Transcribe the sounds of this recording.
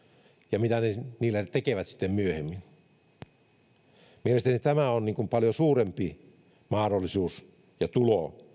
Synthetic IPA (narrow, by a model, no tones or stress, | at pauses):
jɑmit̪æneniːlːæt̪ekeʋæt̪si̥t̪ːemmyøhemːin | mielest̪ænit̪æmæonniːŋkumpɑljosuːrempi | mɑːdolːisuːs | jɑt̪ulo